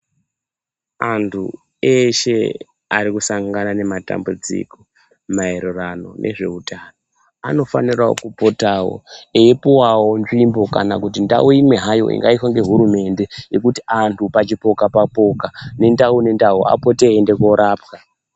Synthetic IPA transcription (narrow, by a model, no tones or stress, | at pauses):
antʰṵ | eʃe̞̰ | aɾikusaŋɡanane̞mata̰mbud͡zḭko | maeɾurano̞nʔe̞̰ʐe̞utano | ano̞fanirao̰kupo̞tawo̰eipuwawo̞nʐimbo̞kanakutinda̰uimwe̞ɦajo̞̰ʔḭŋɡaiswaŋɡe̞ɦuɾume̞nde̞je̞kutiantʰupat͡ʃipo̞kapapo̞kane̞ndaune̞ndaua̰po̞te̞ɦːnde̞ko̞ɾaːpka